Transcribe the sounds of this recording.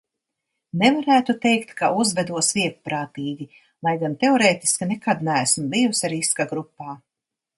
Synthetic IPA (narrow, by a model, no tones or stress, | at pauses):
nɛvaɾæːt̪ut̪ejkt̪kʰaʔuzvɛd̪uɔsviɛk̚pɾaːt̪iːɡʲi | lˠajɡant̪eɔɾeːt̪i̥skinɛkad̪næːæsm̩bijusaɾiskaɡɾupːaː